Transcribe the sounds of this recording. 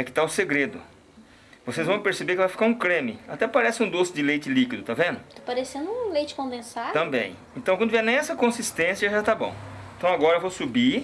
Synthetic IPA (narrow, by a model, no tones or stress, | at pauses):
ɛkɪ̥t̪aʊseɡɾed̪ʊ̰ | vosezvɐ̃w̃peɾsebeɾkɪvajfi̥kaɾũkɾẽmɪat̪ɛpaɾɛsɪũd̪osɪd͡ʒɪlejt͡ʃɪlikid̪ʊt̪avẽnd̪ʊt̪opaɾesẽnd̪ʊũlejt͡ʃɪ̥kõd̪ẽsaɾt̪ɐ̃mbḛ̃j̃ẽnt̪ɐ̃wkɐ̃nd̪ʊvɛnẽɛsɐkõsist̪ẽsjɐʒat̪abõ̰w̃ẽt̪ɐ̃w̃aɡɔɾɐevosubi